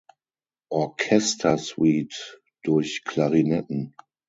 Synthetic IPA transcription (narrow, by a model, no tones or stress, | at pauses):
ʔɔɐkʰɛstʰɐswiːt | d̥ʊɐçkʰlaʁinɛtn̩